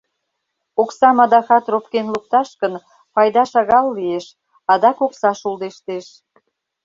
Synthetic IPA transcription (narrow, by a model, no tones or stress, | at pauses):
oksɑmɑd̪ɑxɑt̪ropkenluk̚t̪ɑʃkən | pɑjd̪ɑʃɑɣɑlːieʃ | ɑd̪ɑkoksɑʃuld̪eʃt̪eʃ